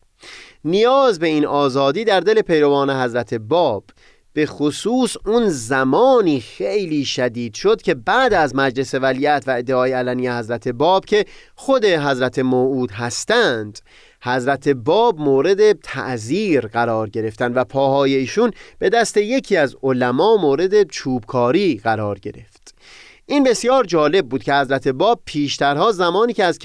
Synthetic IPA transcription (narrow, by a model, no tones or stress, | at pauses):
nijɒːzbe̞inʔɒːzɒːd̪iːd̪æɾd̪e̞le̞pʰe̞jɾo̞vɒːne̞ɦæzɾæt̪ʰe̞bɒːb̥ː | e̞xosuːsunzæmɒːniːxejliːʃæd̪iːd̪̥ʃo̞d̪̥̚cʰe̞bæʔd̪æzmæd͡ʒle̞se̞væliːæt̪ʰvæed̪ːeɒːjeælænijehæzɾæt̪ʰe̞bɒːb̥cʰe̞ | xod̪e̞ɦæzɾæt̪ʰe̞moʔuːd̪ɦæst̪ænd̪̥ | hæzɾæt̪ʰe̞bɒːbmoːɾe̞d̪e̞t̪ʰæ̰ʔziːɾɢæɾɒːɾɟe̞ɾe̞ft̪ænd̪væpʰɒːhɒːje̞iːʃunb̥e̞d̪æst̪e̞je̞cʰiːæzolæmɒːmoːɾe̞d̪e̞t͡ʃʰuːb̥kʰɒːɾiːɣæɾɒːɾɟe̞ɾe̞ft̪ | ʔiːnbe̞sjɒːɾd͡ʒɒːle̞b̚ːuːd̪̥̚cʰe̞hæzɾæt̪ʰe̞bɒːb̥̚pʰiːʃt̪ʰæɾhɒːzæmɒːniːceæz